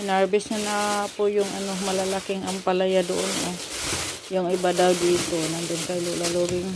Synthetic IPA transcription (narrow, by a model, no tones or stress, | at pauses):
ɪnaɹbɪsɲanapʊjʊŋɐnomɐlalakɪŋɐŋpalajad̪oʔono | jʊŋɪbad̪awd̪iːt̪onand̪ʊnkajlulaloːɡɪŋ